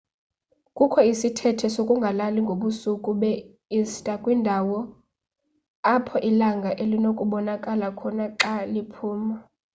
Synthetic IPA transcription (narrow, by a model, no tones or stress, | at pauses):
kʼukʰɔisitʰɛtʰɛsokʼuŋɡʱalaliŋɡʱoɓusukʼuɓɛ | istʼakʼwindʱawɔ | apʰɔʔilaŋɡʱaʔelinokʼuɓɔnakʼalakʰɔnaǁalipʰuːma